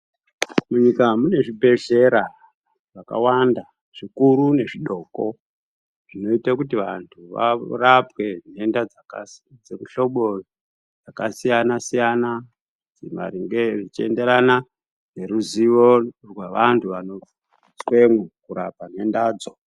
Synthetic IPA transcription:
muɲikamune̞ʐibʱe̞ɮe̞ɾa | ʐaka̰wanda | ʐ̥ikuɾune̞ʐiɗo̞ko̞ | ʐ̥ino̞itakutiʋantʰuʋa̰rapwe̞nendad͡zad͡zekuɬo̞ɓo | d͡zakasijanasijana | d͡zema̰riŋɡerit͡ʃiḛnde̞ɾana | ne̞ɾuziʋorwaʋantʰuʋano̞ | t͡swe̞mekuɾapane̞ndaːd͡zo

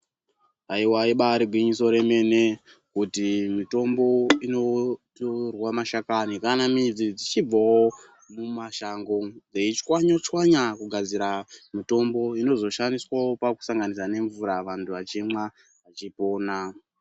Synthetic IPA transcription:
aiwaiɓaɾiɡʱwiɲiso̞ɾe̞me̞ne̞ | kutimito̞mbo̞ino̞torwamaʃakanikanamid͡zid͡zit͡ʃib͡vawo | mumaʃaŋɡod͡zeit͡ʃwaɲot͡ʃwaɲakuɡʱad͡ziɾamito̞mbo̞ino̞zo̞ʃandiswawo̞paku̥saŋɡanisane̞ɱvuɾaʋantʰuʋat͡ʃimwa | ʋat͡ʃipo̞ːna

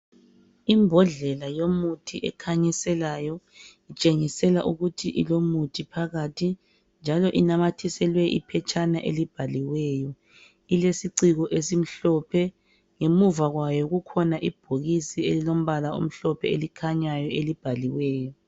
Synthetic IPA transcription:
imbʱɔɮɛlajomutʰiʔɛ̰kʰaɲɛsɛlajɔit͡ʃʼeŋisɛla̰ʔuɣutʰiʔilomutʰipʰaɣatʰi | nd͡ʒʱalɔʔinamatʰisɛlwɛʔḭpʰɛt͡ʃʰʼanaʔḛlib̥ʱaliwɛːjɔ | ilesiǀiɣɔʔesim̩ɬɔpʰɛ | ŋemuvaɣwajɔɣukʰɔnaʔib̥ʱoɣisielilom̩βalao̰m̩ɬɔpʰɛelikʰaɲajɔelib̥ʱaliwɛːjɔ

